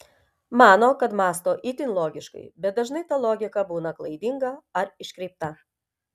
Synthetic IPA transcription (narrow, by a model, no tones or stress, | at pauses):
mɑːnoːkɐt̪mɑːst̪oːʔit̪ʲɪnlˠoːɡʲɪʃkɐ̰ɪbʲɛt̪̚d̪ɐʒnɐɪt̪ɐlˠoːɡʲɪkɐbuːnɐklˠɐɪd̪ʲɪŋɡɐɐɾɪʃʲkʲɾʲɛɪp̚t̪ɐ